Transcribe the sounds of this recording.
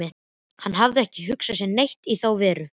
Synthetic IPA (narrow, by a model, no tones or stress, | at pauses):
ɪht̪n | hanːɦavðɪɛhcɪɦʏksasjɛnejht̪iθawvɛːɾʏ